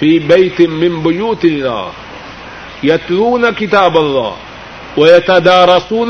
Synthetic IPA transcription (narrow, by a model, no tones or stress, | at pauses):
fiːbajt̪mɪmbʊjuːt̪ɪlːa̰ː | jat̪luːnakɪt̪aːbalˤːɑ̰ː | wajat̪ad̪ɑːɾˤɑsˤuːn